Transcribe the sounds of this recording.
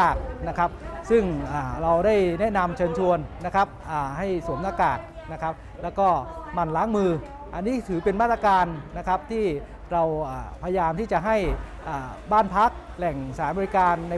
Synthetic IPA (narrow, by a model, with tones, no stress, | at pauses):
k̚na˦˥kʰa˦˥p̚sɯ˥˩ŋʔaː˨˩ɾa˧wdaː˥˩jnɛ˦˥na˧mt͡ɕʰɤː˧nt͡ɕʰu˧ənːa˦˥kʰa˦˥p̚ʔaː˨˩ɦa˥˩jsu˨˩˦əmnaː˧kaː˨˩k̚na˦˥kʰa˦˥p̚ | lɛː˦˥wkɔː˥˩ma˧˩nlaː˦˥ŋmɯː˧ | ʔa˧nːiː˦˥t̪ʰɯː˩˦pe˧nmaː˥˩t̪ɾa˧kaː˧nːa˦˥kʰa˦˥p̚t̪ʰiː˥˩ | ɾa˧wʔaː˨˩pʰa˧ja˧jaː˧mt̪ʰiː˥˩t͡ɕa˨˩ɦa˥˩jʔaː˨˩baː˥˩npʰa˦˥k̚ | lɛ˨˩ŋsaː˩˦mɔː˧ɾi˦˥kaː˧nːa˧